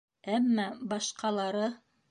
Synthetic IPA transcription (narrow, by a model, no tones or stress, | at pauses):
æmːɑbɑʃqɑlˠɑɾɤ